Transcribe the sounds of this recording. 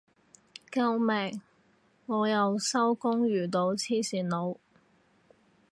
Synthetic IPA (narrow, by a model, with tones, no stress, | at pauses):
kɐ˧wmɛː˨˩ŋː | ɔː˨˧jɐ˨wsɐ˥wkʊ˥ŋɥyː˨˩t̪o˨˧˥wt͡sʰiː˥siː˨˩nno˨˧w